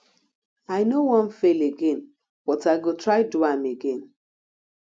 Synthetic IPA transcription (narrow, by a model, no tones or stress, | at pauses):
aɪnowɔ̃nfeleɡen | b̥ɔtaɪɡotɹaɪduameɡẽn